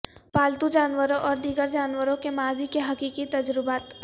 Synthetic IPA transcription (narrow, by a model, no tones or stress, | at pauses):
paːlt̪ud͡ʒaːnwəɾõʔɔːɾd̪iːɡəɾd͡ʒaːnwəɾõkemaːzikeɦɐkiːkit̪ɐd͡ʒɾɪbaːt̪